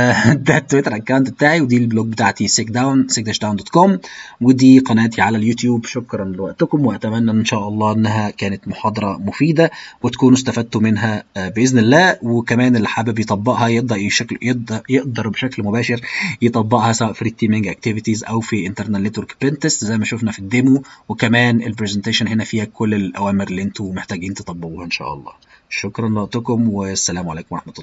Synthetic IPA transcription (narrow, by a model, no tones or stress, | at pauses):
d̪æt̪ːwet̪ɾˤʔækːawnt̪bet̪aːʕiwed̪iːlbloːɡ̚bet̪aːʕt̪iseːkd̪awnseːk̚d̪æʃd̪awnd̪oːt̪komwed̪iːqɑnæːt̪ʰiʕalæljut̪juːbʃokɾˤɑnlewæʔt̪ʊkʊmweʔæt̪æmænːæʔnʃæːʔɑlˤːɑːʔenːæɦækæːnæt̪moħɑːd̪ˤɑɾˤɑmofiːd̪æwɪt̪æ̥kuːnʊst̪æfæd̪̚t̪umɪnɦæbeʔɪznɪlːæːwekæmæːnelːħabebjet̪ˤɑbːɑʔhɑjeʔd̪ɑʔjʃækljeʔd̪ɑjeʔd̪ɑɾˤbeʃæklmobæːʃeɾjet̪ˤɑbːɑʔhɑsæwæːʔfiɾiːt̪ːiːmeŋɡʔæk̚t̪evit̪izʔæwfiʔent̪eɾnælːet̪oɾkbent̪eszæjmæʃufnæfid̪ːemuwekæmæːnʔelpɾezent̪eːʃonɦenæfiːhækʰolːelʔæ̰wæːmeɾeliʔent̪umeħt̪æːɡiːnt̪e̥t̪ˤɑbːeʔuːhɑʔenʃæ̰ːʔɑ̰lˤːɑ̰ː | ʃokɾˤɑnleɑʔt̪ˤokomwesːælæːmʕalæːkomwɾˤɑħmæt̪ˤɑlːˤɑː